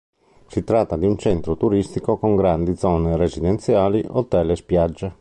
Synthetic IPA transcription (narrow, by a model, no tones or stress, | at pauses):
sit̪ɾat̪ːad̪iunt͡ʃɛnt̪ɾot̪uɾist̪ikokoŋɡɾand̪id̪zɔːnerezid̪ent̪sjaːliʔot̪ːɛlːespjad͡ʒːe